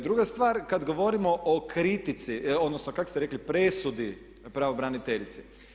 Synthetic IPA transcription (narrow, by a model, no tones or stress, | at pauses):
d̪ɾuɡast̪ʋaːɾkad̪ɡo̞ʋo̞ɾimo̞ʔokɾit̪it̪sio̞d̪nosnokako̥st̪eɾeklipɾesud̪i | pɾaʋobɾanit̪eʎʲit̪si